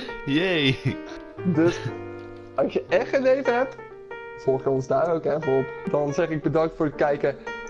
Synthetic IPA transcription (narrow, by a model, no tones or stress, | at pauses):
jej | dɵs | ɑsjəɛχtənlejvəɦɛp̚t | zɔɹχjəɔnzdaːɾowkɛrvəɔpdɑnzɛχɪɡ̚bədɑŋk̚tfʊːɹət̚kɛjkə